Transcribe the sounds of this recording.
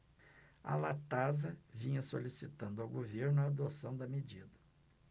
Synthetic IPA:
a̰lat̪azɐvĩɲɐsolisit̪ɐ̃nd̪ʊawɡoveɾnʊaːd̪osɐ̃w̃d̪ɐmed͡ʒid̪ɐ

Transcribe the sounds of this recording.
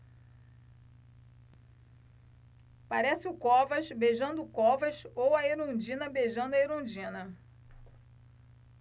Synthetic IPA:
paɾɛsɪʊkɔvɐʃbeʒɐ̃nd̪ʊkɔvɐʃowɐeɾõd͡ʒĩnɐbeʒɐ̃nd̪ʊɐeɾõd͡ʒĩnɐ

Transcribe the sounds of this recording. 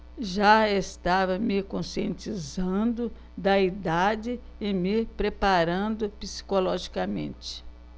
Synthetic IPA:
ʒaest̪avɐmɪkõsiẽnt͡ʃizɐ̃d̪ʊ | d̪ɐid̪ad͡ʒɪ | ɪmɪpɾepaɾɐ̃d̪ʊpisi̥kolɔʒikɐmḛ̃nt͡ʃɪ̥

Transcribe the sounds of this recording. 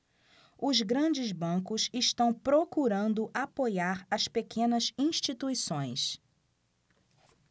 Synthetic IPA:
ʊzɡɾɐ̃d͡ʒɪzbɐ̃kʊsɪʃt̪ɐ̃w̃pɾokuɾɐ̃nd̪ʊʔapojaɾɐspekʰẽnɐzĩʃt͡ʃit̪uisõj̃s

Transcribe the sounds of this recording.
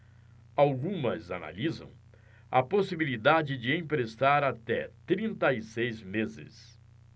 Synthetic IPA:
awɡũmɐzana̰lizɐ̰̃w̃ | ɐposibilid̪ad͡ʒɪd͡ʒɪẽj̃pɾest̪aɾat̪ɛt̪ɾĩnt̪ɐisejzmezɪ̰s

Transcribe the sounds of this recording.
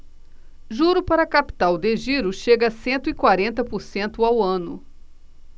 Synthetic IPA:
ʒuɾʊpaɾɐkapi̥t̪awd̪eʒiɾʊʃeɡɐsẽnt̪ʊɪkwaɾẽnt̪ɐpoɾsẽnt̪ʊawɐ̃nʊ̰

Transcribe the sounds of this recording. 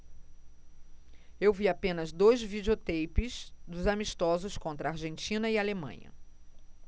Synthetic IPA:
ewviapẽnɐzd̪ojzvid͡ʒiot̪ejpɪsd̪ʊzamiʃt̪ɔzʊskõnt̪ɾɐaɾʒẽnt͡ʃĩnɐialemɐ̰̃ɲɐ̰

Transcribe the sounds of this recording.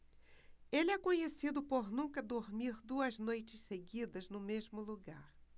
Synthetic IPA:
elɪɛkõɲesid̪ʊpoɾnũkɐd̪oɾmiɾd̪uɐznojt͡ʃɪsseɡid̪ɐznʊmezmʊluɡaɾ

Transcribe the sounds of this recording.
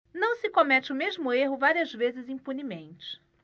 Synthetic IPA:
nɐ̃w̃sɪkomɛt͡ʃɪʊmeʒmʊeɦʊvaɾiɐzvezɪzĩpunimẽnt͡ʃɪ̥

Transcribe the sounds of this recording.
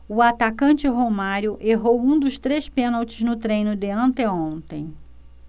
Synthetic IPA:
ʊat̪akɐ̃nt͡ʃɪɦomaɾjʊʔeɦowũd̪ʊʃt̪ɾespẽnawt͡ʃɪznʊt̪ɾẽj̃nʊd̪ɪɐ̃nt̪eõnt̪ẽj̃

